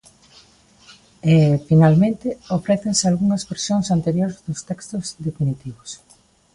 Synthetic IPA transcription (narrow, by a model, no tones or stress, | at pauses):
efinalmẽnt̪ɪofɾɛθensɪalɣuŋɐzβeɾsjoŋsant̪eɾjoɾezðʊst̪ɛkst̪ʊzd̪efinit̪iβʊs